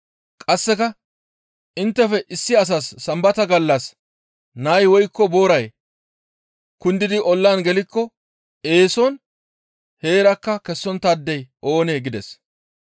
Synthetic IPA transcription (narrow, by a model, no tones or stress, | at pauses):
kʼɐsːɛkɐ | ʔɪnt̪ːɛfɛʔɪsːɪɐs̬asːɐmbɐt̪ɐɡɐlːɐs | nɐjwɔjkːɔbo̞ːɾɐj | kʊnd̪ɪd̪ɪʔɔlːaːnɡɛlɪkːɔ | eːsɔn | he̞ːɾɐkːɐkɛsːɔnt̪ad̪ːɛjo̞ːneːɡɪd̪ɛs